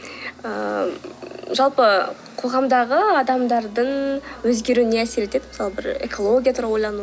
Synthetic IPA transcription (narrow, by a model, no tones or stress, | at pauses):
ə | ʒɑlˠpə | qʰo̞ʁɑmd̪ɑʁəɑd̪ɑmd̪ɑɾd̪əɴwɵzɡʲe̞ɾuɪne̞æse̞ɾet̪e̞d̪ɪmɪsɑlˠəbɪɾḛkʰo̞lˠo̞ɡʲijat̪ʰʊɾɑlˠwojlˠɑnu